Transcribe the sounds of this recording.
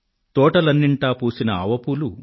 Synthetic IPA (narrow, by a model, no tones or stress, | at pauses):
t̪ɔːʈɐlɐnːiɳʈaːpuːsinɐɐʋɐpulu